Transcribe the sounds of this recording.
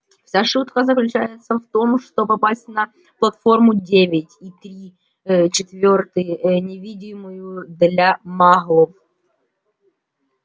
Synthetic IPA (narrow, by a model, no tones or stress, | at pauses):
fsʲaʂut̪kəzəklʲʉt͡ɕæjɪt̪səft̪o̞mʂt̪opɐpasʲtʲnɐ | plˠɐt̪fo̞rmʊdʲevʲɪtʲit̪ɾʲi | t͡ɕɪt̪vʲo̞rt̪ɨnʲɪvʲidʲɪmʊjʊd̪lʲamaɣlˠəf